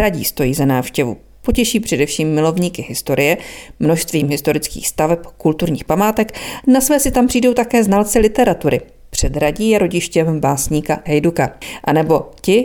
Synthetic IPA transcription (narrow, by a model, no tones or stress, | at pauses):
ɾaɟḭːst̪o̞jiːzanaːfʃcɛvṵ | po̞cɛʃiːpr̥ɛdɛfʃiːmːɪlo̞vɲiːkɪɦɪst̪o̞ɾɪjɛmno̞ʃst̪viːmɦɪst̪o̞ɾɪt͡skḭːxst̪avɛpkult̪uɾɲiːxpamaːt̪ɛknasvɛːsɪt̪ampr̥iːdo̞wt̪akɛːznalt͡sɪlɪt̪ɛɾat̪uɾɪ̰ | pr̝̥ɛd̪ɾaɟiːjɛɾo̞ɟɪʃcɛmbaːsɲiːkaɦɛjdukaʔanɛbo̞cɪ